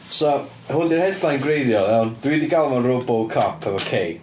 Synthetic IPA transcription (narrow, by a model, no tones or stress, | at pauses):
sɔ | hʊndir̥hɛdajnɡrejðjɔðɛwnd̥widiɡalˠmanrobɔlˠkʰapʰəvokʰej